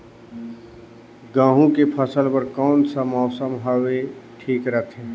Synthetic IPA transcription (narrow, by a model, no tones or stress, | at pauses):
ɡãːɦũkepʰəsəlpəɾkɔːnsəmɔːsəmɦaʋeʈʰiːkɾət̪ʰɦɛ̃ː